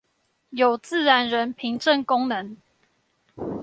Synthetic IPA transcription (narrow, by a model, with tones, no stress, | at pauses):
jo˨˩ʊt͡sɹ̩˥˨ɻa˧˦nɻə˨˦npʰi˨˦ŋʈ͡ʂə˥˨nkʊ˦ŋnə˧˦ŋ